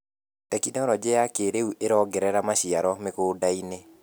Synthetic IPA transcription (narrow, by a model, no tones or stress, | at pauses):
tɛkidɔɾɔd͡ʒeakeɾeuʔeɾɔːɡɛɾɛɾamaʃiaɾɔmekoːdaine